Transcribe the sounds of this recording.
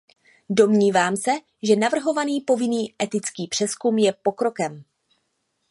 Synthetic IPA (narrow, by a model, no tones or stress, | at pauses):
do̞mɲiːvaːmsɛ | ʒɛnavr̩ɦo̞vaniːpo̞vɪniːʔɛt̪ɪt͡skiːpr̥ɛskumjɛpo̞kɾo̞kɛm